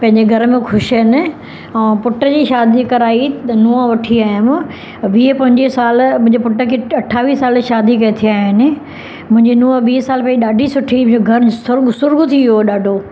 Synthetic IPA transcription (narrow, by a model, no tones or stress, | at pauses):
pɐ̃ɦɪ̃ɲd͡ʑeɡʱɐɾmẽxʰʊʃɦɪnɪ̆ | ɛːpʊʈəd͡ʑiːʃaːd̪ikɐɾaːinuːəʋɐʈʰiaːɦɪm | ʋiːpɐ̃ɦɪ̃ɲd͡ʑesaːlmʊ̃ɦɪ̃ɲd͡ʑepʊʈəkʰeɐʈʰaːʋiːsaːlʃaːd̪ik̬ɐet̪ʰijaːɦɪnɪ̆ | mʊ̃ɦɪ̃ɲd͡ʑinuːəʋiːɦsaːlpɐ̃d͡ʑiɗaːɖʱisʊʈʰĩoɡʱɐɾsʊɾɡsʊɾɡʊt̪ʰiioɗaːɖʱoː